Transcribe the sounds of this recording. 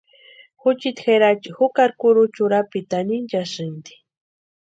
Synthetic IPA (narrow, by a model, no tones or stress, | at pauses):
xʊt͡ʃit̪xeɾat͡ʃixʊkaɾkʊɾʊt͡ʃʊɾapit̪anint͡ʃaʃɪnd̪i̥